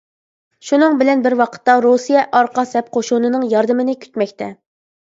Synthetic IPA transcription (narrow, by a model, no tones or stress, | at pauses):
ʃunɨŋbɪlɛnbɪɾwɑqʰə̥t̪ːɑɾosijɛʔɑɾqɑsɛp̚qʰoʃunɨnɨŋjɑɾd̪ɨmɪnɪkʲʰy̥t̪mɛkʲt̪ʰɛ